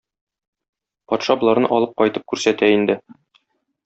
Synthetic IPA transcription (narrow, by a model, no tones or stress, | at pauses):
pɒt̪ʃɑbŏlˠɑɾnɤʔɒlˠɤp̚qɒjt̪ɤp̚kʉɾsæt̪æind̪ɘ